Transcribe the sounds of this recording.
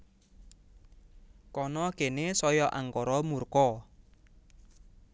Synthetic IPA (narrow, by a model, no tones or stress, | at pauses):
kɔnɔkenesɔjɔʔa̰ŋkɔɾɔmurkɔ